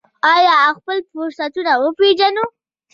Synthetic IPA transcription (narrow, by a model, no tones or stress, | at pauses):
ɑjɑxpəlpoɾsat̪unawəped͡ʒano